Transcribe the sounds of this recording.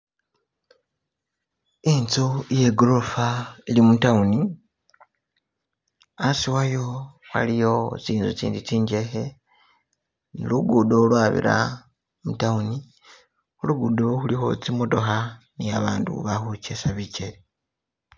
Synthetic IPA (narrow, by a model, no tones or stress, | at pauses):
int͡sojeɡlofailimutauni | asiwajo | wa̰lijo̞t͡siːnzut͡sḭːndit͡siːɲɟe̞xe̞ | nḭluɡudolwaːβḭɾa̰ | mutauni | oluɡudoxulixo̰t͡simodo̞xa | niaβaːndṵβaxut͡ʃesaβiceli